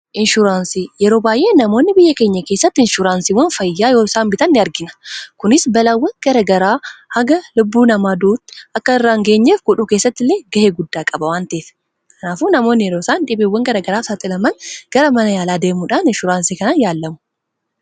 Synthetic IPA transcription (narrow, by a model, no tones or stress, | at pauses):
ʔɪnʃʊɾaːnsijɛɾo̞ːbaːjʔe̞ːnɐmo̞ːnːɪbɪjːɐkeːɲːɐke̞ːsːɐt̪ːɪnʃʊɾaːnsiwɐnfɐjːaːjo̞ːsaːnbɪt̪ɐnːɪɐɾɡɪnɐ̥kʊnɪsbɐlawːɐnɡ̥ɐɾɐɡɐɾaːhɐɡɐlʊbːuːnɐmaːd̪uːt̪ːɐkːɐɪrːaːŋɡe̞ːɲːeːfɡʊᶑuːke̞ːsːɐt̪ːɪlːe̞ːɡɐheːɡʊd̪ːaːkʼɐbɐwaːnt̪eːf | kʰɐnaːfuːnɐmo̞ːnːɪjɛɾoːsaːnᶑɪbeːwːɐŋɡɐɾɐɡɐɾaːfsat̪ʼɪlɐmɐnɡ̥ɐɾɐmɐnɐjaːlaːd̪e̞ːmʊᶑanɪnʃʊɾaːnsiːkɐnaːnjaːlːɐmʊ̥